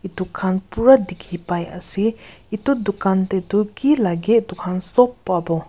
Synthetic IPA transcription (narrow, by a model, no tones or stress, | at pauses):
it̪ukʰanpuɹad̪ikʰipajʔa̰seit̪ud̪ukant̪et̪ukilaɡeʔd̪ukʰansɔpːabɔ